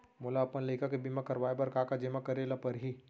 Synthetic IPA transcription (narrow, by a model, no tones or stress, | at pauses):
moːlaːpənləɪkakebimakɐɾʋaːebɐɾkaːkad͡ʒemakɐɾelapɐɾɦi